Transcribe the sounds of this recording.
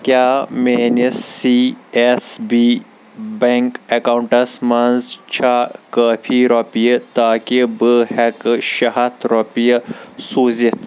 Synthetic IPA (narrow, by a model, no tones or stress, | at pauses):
kjaːmeːnisiesbi | beŋkekawɳʈɐsmɐnzt͡ʃʰakaːpʰiɾopijɐt̪aːkibɨhɛkʃɐɦɐt̪ɾopijɐsuːzit̪ʰ